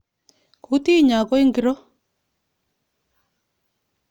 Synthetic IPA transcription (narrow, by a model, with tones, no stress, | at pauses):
ku˨˦ti˦˨ɲa˨kɔ˦i˦ŋɡi˦ɾɔ˦